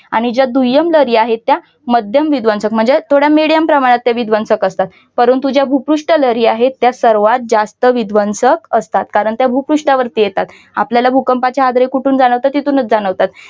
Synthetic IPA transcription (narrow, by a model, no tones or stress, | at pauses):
aɽ̃id͡ʑad̪ujəmləɾiaɦet̪ːja | məd̪ʱjəmʋid̪ʋənsək̚m̤əɳd͡zet̪ʰoɽjamiɽijəmpɾəmaɽ̃at̪ːjaʋid̪ʱʋənsəkəst̪at̪ | pəɾuːnt̪ud͡ʑjabʱupɾuʂʈələɾiaɦet̪ːjasəɾʋat̪̚d͡zast̪əʋid̪ʱʋənsəkəst̪at̪kaɾəɳt̪jabʱupɾuʂʈaʋəɾt̪ijet̪at̪ | a̰pljalabʱukəmpat͡ɕaad̪ɾekuʈʰuːnd͡zaɽ̃əʋt̪at̪ːit̪unət͡sd͡zañəʋt̪at̪